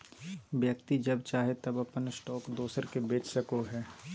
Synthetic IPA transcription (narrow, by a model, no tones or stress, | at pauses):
bjəkt̪id͡ʒɐbt͡ʃaːɦet̪ɐbɐpənsʈɔːkd̪oːsəɾkebeːt͡ʃʰsɐkoɦɛː